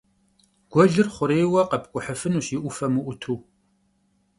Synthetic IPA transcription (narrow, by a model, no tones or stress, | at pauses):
ɡ̥ʷɔɮɨrχʷʊɾejwɐqɐpkʷʼʊħəfɨnuːɕjɪʔʷʊfɐmɨʔʷʊtʰuː